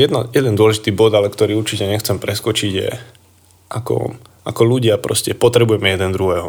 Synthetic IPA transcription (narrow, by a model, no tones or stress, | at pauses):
jɛd̪najɛd̪ɛnd̪ʊɔlɛʒit̪iːbɔd̪alɛkt̪ɔɾiːuɾt͡ʃicɛɲɛxt͡sɛmpɾɛskɔt͡ʃiɟjɛ̰ | ʔakɔ̰ | akɔluɟɪapɾɔ̰scɛpɔt̪ɾɛbujɛmɛjɛd̪ɛnd̪ɾuɦɛːɦɔ